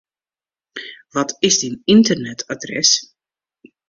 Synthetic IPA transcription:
ʋɔtʰɪsdinintərnɛtʰadrɛ̰s

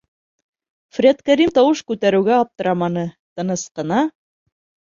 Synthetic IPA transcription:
frʲet̪kæɾimt̪ɑwɤʃkʉt̪æɾɘ̆wɡæɑp̚t̪ɤ̆ɾɑmɑnɤt̪ɤ̆nɤ̆sqɤ̆nɑ

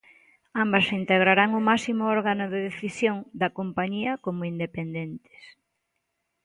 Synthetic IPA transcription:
ambɐsint̪eɣ̞ɾaɾaŋʊmasimʊɔɾɣanʊðeðeθisjoŋd̪ɐkompaɲiɐkomʊind̪epend̪ent̪ɪ̥s

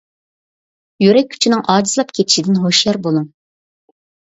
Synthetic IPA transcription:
jyɾɛk̚ʲʰːy̥t͡ʃʰinɪŋʔɑːd͡ʒizlˠɑp̚kʲʰet̪ʰɪ̥ʃid̪ɪnɦoʃjɑɾbolˠuŋ

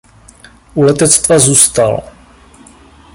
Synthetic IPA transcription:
ʔulɛt̪ɛt͡st̪vazuːst̪al

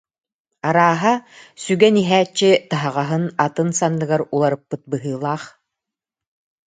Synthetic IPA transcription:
aɾaːɦasyɡɛniɦæːt͡ɕːit̪aɦaʁaɦɯnat̪ɯnsanːɯɡaɾulˠaɾɯpːɯt̪̚bɯɦɯːlˠaːχ

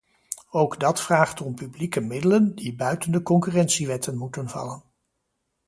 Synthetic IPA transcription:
owɡdɑtfraːχtɔmpyblikəmɪdələndibœɥtəndəkɔŋkyrɛnsiʋɛtənmutənvɑ̰lən

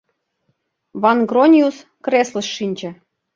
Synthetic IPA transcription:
vɑnɡronʲius | krʲesləʃːinʲd͡ʑɘ̆

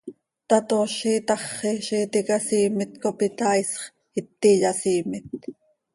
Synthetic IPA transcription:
t̪ɑt̪oːʃiːt̪ɑχːiʃiːt̪ikɑsiːmɪt̪kopit̪ɑːisχ | it̪ːiʎɑsiːmɪt̪

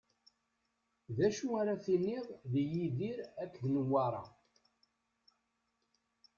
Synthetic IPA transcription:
ðæʃuaɾaθiniʁˤðijiðiɾækːðnəwːɑɾˤɑ̰

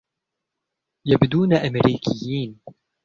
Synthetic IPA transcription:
jabd̪uːnaʔamɾiːkʰɪjːiːn

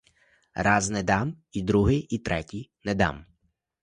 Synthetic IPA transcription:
rɑznɛd̪ɑm | id̪ɾuɦɪjit̪ɾʔɛtʲijnɛd̪ɑ̰m

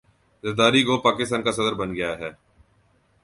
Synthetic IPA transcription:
zəɾd̪aːɾikopaːkɪst̪aːnkasɐd̪əɾbənɡɪjaːɦɛː

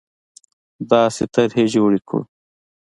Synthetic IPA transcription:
d̪ɑːsḛt̪ɐɾɦed͡ʒoːɽikʰṵ

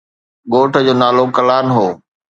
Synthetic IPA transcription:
ɠoːʈʰəd͡ʑoːnaːlokɐlaːnɦoː

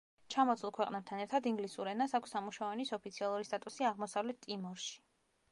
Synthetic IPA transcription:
t͡ʃʰamɔt̪sʰʼulˠkʰwɛqʼnɛb̚t̪ʰanɛɾt̪ʰad̪iŋɡlisuɾɛnasakʰʷsamuʃavɔnisɔpʰit̪sʰialˠuɾist̪ʼat̪ʼusiaʁmɔsavlɛt̪ʰt̪ʼːimɔɾʃi̥

